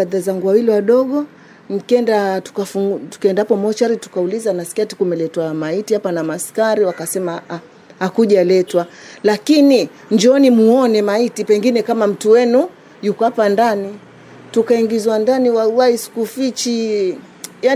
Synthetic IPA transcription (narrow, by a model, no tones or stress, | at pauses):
aðazaŋɡuwawiliwaɗɔɠɔ | n̩kɛndatu̥kafuŋtu̥kɛndapɔmɔt͡ʃaɾitu̥kaulizanasi̥kati̥kumɛlɛtwamaitiapanamaskaɾiwakasɛma | hakuʄalɛtwalakini | ɲd͡ʒɔnimuɔnɛmaitipɛŋɡinɛkamam̩tuwɛnu | jukɔapandani | tukaiŋɡizwandaniwawaisi̥kufit͡ʃi | ja